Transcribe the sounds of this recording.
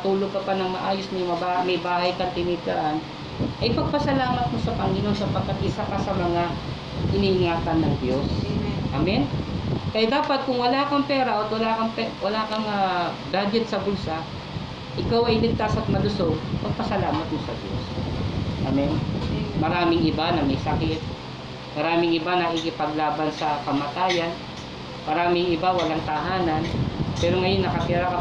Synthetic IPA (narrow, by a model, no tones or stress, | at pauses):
t̪uːloɡ̚pɐpɐnɐŋmɐʔaːjosnɐjmɐbamɐjbaːhɐjkɐŋt̪ɪnɪɡaʔan | ʔɐjpɐɡ̚pɐsɐlaːmɐt̪̚mosɐpɐŋɪnoŋsɐpɐɡ̚kːɐt̪̚ʔɪsapɐsɐmɐŋa | hɪniʔɪŋaːt̪ɐnːɐŋd̪jo̞sʔamɛnkɐjad̪aːpɐt̪̚kʊŋwɐlaːkɐŋpɛːɾɐʔot̪̚wɐlaːkɐŋpɛwɐlaːkɐŋɐ | baːd͡ʒɛt̪̚sɐbʊlsa | ʔɪkawɐjlɪɡ̚t̪asɐt̪̚mɐlʊsoŋpɐɡ̚pɐsɐlaːmɐt̪̚mosɐd̪jo̰s | ʔa̰mɛnmɐɾaːmɪŋʔɪbanɐmɛjsɐkɪt̪̚ | mɐɾaːmɪŋɪbanɐkɪkɪpɐɡ̚laːbɐnsɐkɐmaːt̪aːjɐn | mɐɾaːmɪŋɪbawɐlaŋt̪ɐɦaːnɐnpɛːɾoŋɐjo̞nːɐkɐpɛːɾɐkɐ